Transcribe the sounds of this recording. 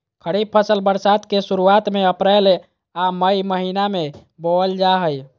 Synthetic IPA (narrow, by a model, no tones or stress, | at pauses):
kʰəɽib̚pʰəsəlbəɾsat̪kesuɾuat̪meəpɾɛl | aməjməɦiname | boəld͡ʒaɦəj